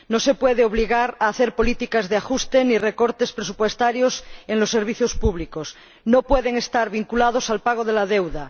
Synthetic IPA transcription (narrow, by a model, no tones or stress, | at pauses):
nose̞pweðeoβ̞liɣaɾaːθeɾpo̞lit̪ikazðeaxust̪enirekoɾt̪e̞spɾesupwe̞st̪aɾjoseŋlo̞sːe̞ɾβ̞iθjo̞spuβlikos | nopweðeŋe̞st̪aɾβiŋkulað̞osalpaɣ̞oðelaðewða